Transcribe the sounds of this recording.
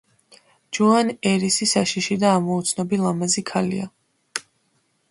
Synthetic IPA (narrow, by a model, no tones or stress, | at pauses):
d͡ʒɔanɛɾisisaʃiʃid̪aːmɔut̪sʰnɔbilˠamazikʰalḭa̰